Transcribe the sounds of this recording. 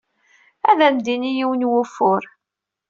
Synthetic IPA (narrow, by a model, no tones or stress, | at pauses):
æðæmd̪inijiwənwʊfʊɾ